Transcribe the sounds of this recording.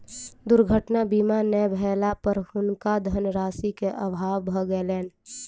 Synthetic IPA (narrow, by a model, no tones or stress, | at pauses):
d̪ʊɾɡʱəʈnabimanɛbʱɛːlapəɾhʊnkad̪ʱənɾaːsikeʔəbʱaːʋbʱəɡəelɛːn